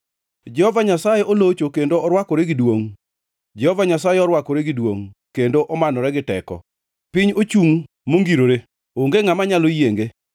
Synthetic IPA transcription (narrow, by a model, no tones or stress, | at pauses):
d͡ʒɛhɔvaɲasajeɔlot͡ʃokendoɔɾwakɔɾeɡɪdwoŋ | d͡ʒɛhɔvaɲasajɛɔɾwakɔɾeɡɪdwoŋkendoʔɔmanɔɾɛɡɪtɛ̰kɔ̰ | pɪɲot͡ʃuŋ | moŋɡiɾoɾe | oŋɡeŋamaɲalojeŋɡe